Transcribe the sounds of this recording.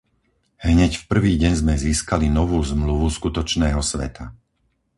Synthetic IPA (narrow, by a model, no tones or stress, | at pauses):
ɦɲɛcfpr̩ʋiːɟɛɲzmɛziːskalinɔʋuːzmluʋuskut̪ɔt͡ʃnɛːɦɔsʋɛ̰t̪ʰa̰